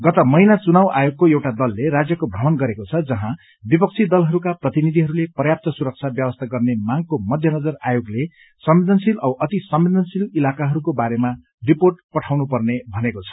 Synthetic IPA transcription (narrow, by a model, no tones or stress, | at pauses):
ɡʌt̪ʌmʌjnat͡sunawʔajoɡ̚koewʈad̪ʌlːeɾad͡zjʌkobʱrʌmʌnɡʌɾekot͡sʰʌd͡zʌɦã | bipʌk̚t͡sʰid̪ʌlɦʌɾukaprʌt̪inid̪ʱiɦʌɾulepʌjap̚t̪ʌsuɾʌk̚t͡sʰabjʌbʌst̪ʰaɡʌrnemaŋɡkomʌd̪ʱjʌnʌd͡zʌrajoɡle | sʌmbid̪ʱʌnsilʌwʔʌt̪isʌmbid̪ʱʌnsililakaɦʌɾukobaɾema | riporʈ̚pʌʈʰawnupʌrnebʱʌnekot͡sʰʌ̥